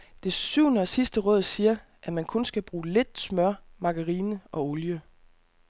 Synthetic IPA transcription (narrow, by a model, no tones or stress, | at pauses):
d̥e̝syʊ̰nəɒsisd̥əʁɔːð̞̩ˠsiːɐ | ʔæmænkʰɔ̽nsɡ̥æb̥ʁuːle̝d̥smɶɐ̰mɑ̈ɡ̥əʁiːnəɒ̽oljə